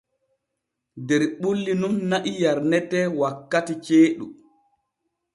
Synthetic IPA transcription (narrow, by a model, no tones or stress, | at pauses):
dɛɾɓulːinumnaʔijaɾnɛtɛwakːatit͡ʃeːɗu